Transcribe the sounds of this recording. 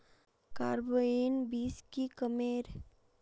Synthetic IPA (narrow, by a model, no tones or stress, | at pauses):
kaːɾboenbiːskikəmeːɾ